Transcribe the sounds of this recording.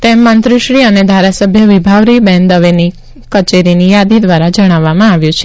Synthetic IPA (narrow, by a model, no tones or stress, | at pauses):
t̪emːãnt̪ɾuʃɭiəned̪ʱaɾasəbʱjəʋibʱaʋɾibɛnd̪əʋeni | kət͡ʃeɾinijad̪id̪ʋaɾad͡ʒəɽ̃aʋːamãaʋjũt͡ʃʰe